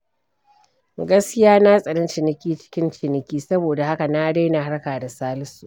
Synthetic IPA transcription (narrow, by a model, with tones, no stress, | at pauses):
ɡɐ˦skʲɪ˦jaː˦na˦sʼɐ˨ɽɪ˦nt͡ʃɪ˨nɪ˨kʲiː˦t͡ʃɪ̥˦kʲɪ˦nt͡ʃɪ˨nɪ˨kʲiː˦sɐ˦boː˨da˨ha˦ka˨na˦da˦na˨ɦa˦ɽkaː˨da˨saː˦lɪ˦suː˨ʔ